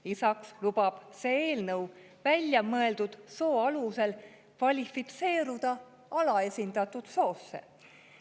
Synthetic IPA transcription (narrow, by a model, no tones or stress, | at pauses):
isɑkslub̥ɑb̥se̞ːe̞ːlnɤw | vælʲjɑmɤe̞ld̪ud̪̥so̞ːɑluse̞l | kvɑlʲifit̪se̞ːɾud̪̥ɑ | ɑlɑe̞sʲind̪̥ɑt̪ːˑud̪̥so̞ːsːḛ